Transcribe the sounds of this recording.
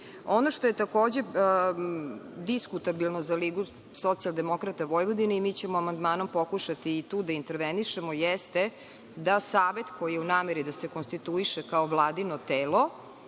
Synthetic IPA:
onoʃt̪ojet̪akoːd͡ʑe | d̪iskut̪abilˠnozaliːɡu | sot̪sialˠd̪e̞mo̞kɾat̪aʋo̞jʋod̪ineimiːt͡ɕemoamand̪maːnompokuʃat̪iːt̪uːd̪aint̪eɾʋeniʃemojɛst̪e | d̪asaːʋe̞t̪ko̞jijeunaːmeɾid̪asekonst̪it̪uiʃekaoʋlˠaːd̪inot̪eːlˠo

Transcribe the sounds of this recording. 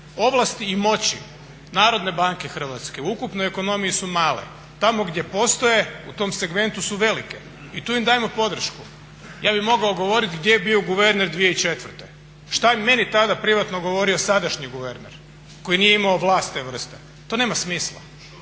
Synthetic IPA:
o̞ʋlˠast̪iːmo̞t͡ɕḭ | naːɾo̞d̪ne̞baŋkexr̩ʋat̪ske̞uukupnojeko̞no̞mijisumaːlḛ | t̪amo̞ɡd̪je̞po̞st̪o̞je̞ut̪o̞mse̞ɡme̞nt̪usuʋe̞like | it̪uːimd̪aːjmo̞po̞d̪r̩ʃku | jaːbimo̞ɡaoɡo̞ʋo̞ɾit̪ɡd̪jejebioɡuʋe̞ɾneɾd̪ʋije̞it͡ʃe̞t̪ʋər̩t̪e | ʃt̪ame̞nit̪ad̪apɾiʋat̪noɡo̞ʋo̞ɾio̞sad̪aʃɲiɡuʋeɾneɾ | ko̞jinijeimaoʋlˠaːst̪ːeʋr̩st̪e | t̪o̞ne̞ːmasmiːslˠa̰

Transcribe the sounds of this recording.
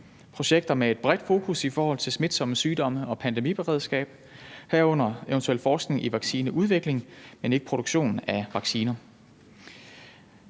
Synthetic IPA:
pʰʁo̝ɕeɡ̥̚d̥ɐmee̝d̥̚b̥ʁɛd̥fo̝ːkʰusifɒːhɒ̽l̰t͡sʰe̝lsmid̥sɒ̽məsyːd̥ɒ̽məɒ̽pʰænd̥emḭb̥eʁɛð̞ˠsɡ̥ɛ̰ːb̥ | hæɐɔ̽n̰ɐeʋənt͡sʰuḛl̰fɒːsɡ̥ne̝ŋʔiʋɑ̈ɡ̥siːnəʔuðˠʋe̝ɡ̥le̝ŋmene̝ɡ̥ə̥pʰʁo̝ɾ̥uɡ̥ɕo̝̰ːnn̩æʋɑ̈ɡ̥siːnɐ

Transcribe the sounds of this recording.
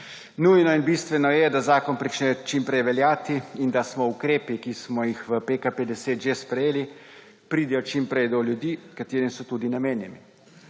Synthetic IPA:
nujnɔinbiːst̪ʋɛnɔjɛd̪azaːkɔnpɾit͡ʃnɛjɔt͡ʃimpɾɛjʋɛljaːt̪iind̪asmɔukɾeːpikismɔjixʋəpekaped̪ɛseːt̪ʒespɾɛjeːli | pɾiːd̪ɛjɔt͡ʃimpɾɛjd̪oljud̪iːkat̪eːɾisɔt̪uːd̪inameːnjɛmi

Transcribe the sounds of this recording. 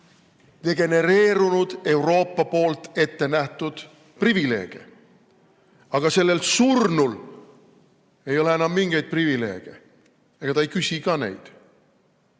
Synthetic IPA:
d̪̥e̞ɡ̥e̞ne̞ɾe̞ːɾunud̪̥e̞uwɾo̞ːpːɑpo̞ːlt̪e̞t̪ːe̞næht̪ud̪̥ | privile̞ːɡ̥ḛ | ɑɡ̥ɑse̞lːe̞lsurnul | e̞jo̞le̞enɑmːiŋɡ̥e̞jd̪̥̚privile̞̰ːɡ̥e̞̰ | eɡ̥ɑt̪ɑejkysʲikɑːnḛjd̪̥

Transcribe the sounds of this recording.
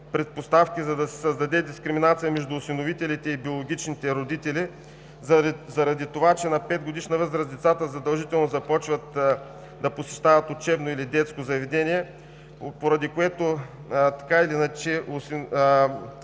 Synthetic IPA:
pɾɛt̪̚post̪afkʲizɐd̪ɐsɛ̥səzd̪ɐd̪ɛd̪iskɾiminat̪sijəmɛʒd̪uːsinovit̪ɛlit̪ɛibiolˠoɡʲit͡ʃnit̪ɛɾod̪it̪ɛli | zɐɾɐd̪it̪ovat͡ʃɛnɐpɛd̪ɡod̪iʃnɐvɤzɾəzd̪ɛt̪sat̪əzɐd̪ɐlˠʒit̪ɛlˠnozɐpɔt͡ʃvət̪ | d̪ɐposɛʃt̪avɐt̪ot͡ʃɛbnoilid̪ɛt̪skozɐvɛd̪ɛnʲiɛ | poɾɐd̪ikoɛt̪o | t̪ɐ̥kailinɐt͡ʃɛʊs

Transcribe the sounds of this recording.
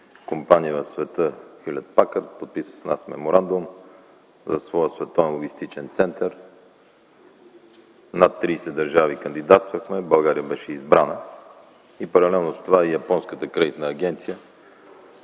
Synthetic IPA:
kompanijənɐsvɛt̪əxilʲɛt̪̚pakəɾt̪pot̪̚pisə̥snasmɛ̰moɾand̪ʊm | zɐsvɔjəsvɛt̪ɔvɛnlˠoɡʲist̪it͡ʃɛnt̪sɛnt̪əɾ | nat̪ːɾiːsɛd̪ɐɾʒavikɐnd̪id̪at̪st̪vəxmɛbɐlˠɡaɾijəbɛʃɛizbɾanə | ipɐɾɐlɛlˠnozt̪ovaɛjɐpɔnskət̪əkɾɛd̪it̪nəːɡ̟ʲɛnt̪sijə

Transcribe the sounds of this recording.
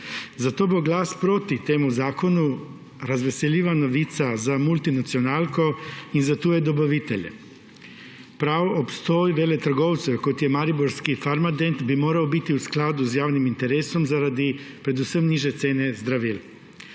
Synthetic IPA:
zat̪oːboɡlaːspɾoːt̪it̪eːmuzaːkonu | ɾazʋɛseliːʋanoʋiːt̪sazamult̪inat̪sionaːlkoinzat̪uːjɛd̪obaʋit̪ɛʎɛ̰ | pɾaːwopst̪ojʋeːlɛt̪ɾɡoːwt̪sɛkot̪jɛmaɾiboɾskifaɾmad̪ent̪bimoːɾawbit̪iusklaːd̪uzjaːwnimint̪ɛɾeːsɔmzaɾad̪ipɾɛd̪usəmniːʒɛt̪seːnɛzd̪ɾaʋil

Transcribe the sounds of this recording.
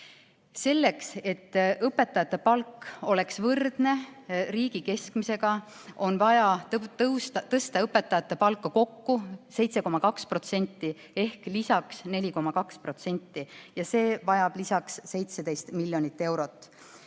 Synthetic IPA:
se̞lːe̞kse̞t̪ːɤpːe̞t̪ːɑjɑt̪ːˑe̞pɑlkːo̞le̞ksvɤrd̪̥ne̞riːɡ̥ike̞skmise̞ɡ̥ɑ | o̞nvɑjɑt̪ɤwst̪ɑt̪ɤst̪ɑɤpːˑe̞t̪ːɑjɑt̪ːˑe̞pɑlkːˑɑko̞kːuse̞jt̪se̞ko̞mɑkɑkspro̞t̪se̞nʲt̪ːˑi | e̞hklisɑksne̞lʲiko̞mɑkɑkspro̞t̪se̞nʲt̪ːijɑse̞ːvɑjɑb̥lisɑksse̞jt̪sed̪̥e̞jst̪milʲːjo̞nit̪ːe̞wɾo̞t̪ːˑ

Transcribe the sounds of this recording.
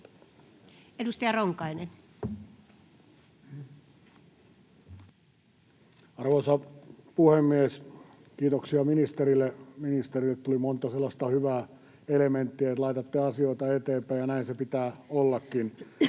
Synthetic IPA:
edust̪ɑjɑroŋkɑinen | ɑrʋosɑpuhemːies | kiːt̪oksiɑminist̪erilːeminist̪erilːet̪t̪ulimont̪ɑselːɑst̪ɑhyʋæː | element̪ːiæt̪lɑit̪ɑt̪ːiɑsioit̪ɑet̪eːmpæijɑnæinsepit̪æːolːɑkːin

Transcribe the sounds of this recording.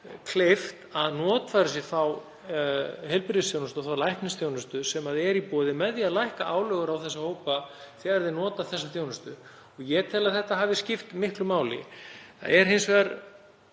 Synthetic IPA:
kʰleft̪aðnɔːt̪faɾʏs̬ɪθaw | ɦɛlpɪɾðɪsθjownʏst̪aθawlajhknɪsθjoːwnʏst̪ʏsɛmaðɛɾipɔːðɪmɛðjaðlajhkaʔaːwlœɣʏɾawθɛsːahoːwpaθɛːɣaɾðɪnɔːt̪aθɛsːaθjownʏst̪ʏ | ɔɣjɛt̪ʰɪlaðθɛht̪aɦaːvɪscɪft̪mɪhklʏmaːwlɪ̰θa̰ɛɾ̥ɦɪnsvɛːɣaɾ

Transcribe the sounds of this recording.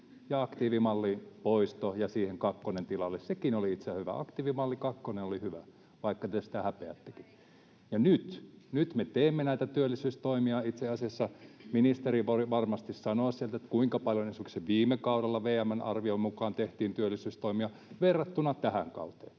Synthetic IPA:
jɑɑkt̪iːʋimɑlːipoist̪ojɑsiːheŋkɑkːonent̪ilɑlːessekinoliit̪sehyʋæ̰ɑ̰kt̪iːʋimɑlːikɑkːonenolihyʋæ | ʋɑikːɑt̪esi̥t̪æhæpeæ̰t̪ːe̥ki̥ | jɑnyt̪nyt̪met̪eːmːenæit̪æt̪yølːisyːst̪oimiɑit̪seɑsiɑsːɑminist̪eriʋoriʋɑrmɑst̪issɑnoːssielt̪et̪kuiŋkɑpɑljonesykseʋiːmːˑekɑuɾelːɑʋeːæmænɑ̰rʋiomukɑːnt̪eht̪iːnt̪yølːˑisyːst̪oimiɑ | ʋerːɑt̪ːunɑt̪æhæ̰ŋkɑ̰ut̪ḛːn

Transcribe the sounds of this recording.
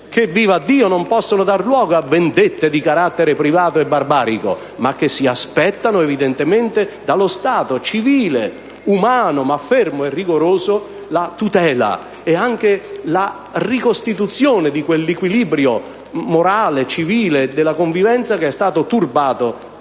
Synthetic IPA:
kevːiːvad̪ːiːonompɔsːonʊd̪arlwɔːɡoabend̪et̪ːed̪ikaɾat̪ːeɾɪpɾivaːt̪oɛbːarbaːɾiko̰ | mak̟ːesːiaspɛt̪ːanʊevid̪ɛnt̪ement̪ed̪alost̪aːt̪ot͡ʃiviːle | umaːnʊmafːɛrmoɛrːiɡoɾoːzʊ | lat̪ut̪ɛːla̰ | ɛaŋk̟ela | rikost̪it̪ut̪sjoːnɪd̪ikwelːikwiliːbɾjo | moɾaːlet͡ʃiviːled̪ɪlːakoɱvivɛnt̪sakeɛst̪aːt̪ʊt̪urbaːt̪o

